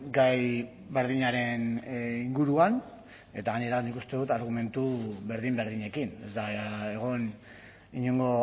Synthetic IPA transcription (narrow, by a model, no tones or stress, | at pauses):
ɡaj | βe̞ɾðiɲaɾe̞niŋɡuɾuan | e̞t̪aɣaɲe̞ɾanikust̪e̞ðut̪aɾɣume̞nt̪uβe̞ɾðimbe̞ɾðiɲe̞kine̞zd̪aeɣ̞on | iɲoŋɡo̞